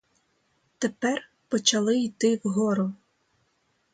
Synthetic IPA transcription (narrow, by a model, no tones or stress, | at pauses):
t̪epɛr | pɔt͡ʃɐlˠɪijt̪ɪwɦɔɾʊ